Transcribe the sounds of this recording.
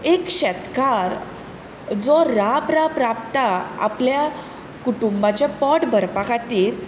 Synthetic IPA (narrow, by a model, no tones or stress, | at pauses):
ekɕɛt̪kaɾ | d͡zɔɾabɾabɾap̚t̪aa̰plja | kuʈumbat͡ɕapɔʈbʱəɾpakʰat̪iːɾ